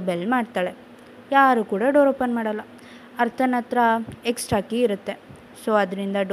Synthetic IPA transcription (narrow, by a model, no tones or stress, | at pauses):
belmaːɖt̪aːɭe̞ | jaːɾukuːɽɐɖoːɾoːpɐnmaːɽɐlːɐ | ɐɾt̪ʰɐnɐt̪ɾɐeksʈɾaːkiːɾut̪ːe̞ | soːɐd̪ɾind̪ɐɖ